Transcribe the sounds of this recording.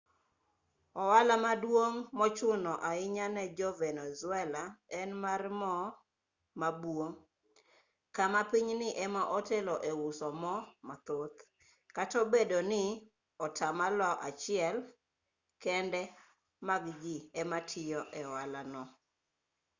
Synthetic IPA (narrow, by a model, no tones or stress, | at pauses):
ɔwalamadwoŋmɔt͡ʃʊnɔʔaɪɲanɛd͡ʒɔvɛnɛzwɛlaɛnmarmɔ | mabwoŋ | kamapiɲnɪʔɛmaʔɔteloʔewʊsɔmɔmat̪ot̪ | katɔbedonɪ | ɔtʰamalɔʔat͡ʃɪɛl | kɛndɛ | maɡɡɪɛmatʰɪjɔʔɛwalanɔ